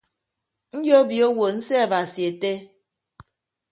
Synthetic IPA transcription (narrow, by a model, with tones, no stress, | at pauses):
n̩˦jo˦bi˨o˦wo˨n̩˦se˦a˨ba˨si˨e˨te˦